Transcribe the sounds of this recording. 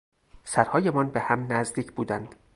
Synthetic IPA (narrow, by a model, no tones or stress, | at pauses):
sæɾhɒːje̞mɒnbehæmnæzd̪iːcʰbuːd̪ænd̪̥